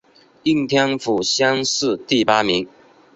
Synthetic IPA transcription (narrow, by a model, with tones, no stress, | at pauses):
i˥˧ŋt̪ʰjɑ˥ŋfu˨˩ɕjɑ˥ŋsɹ̩˥˧t̪i˥˩pa˥mi˧˥ŋ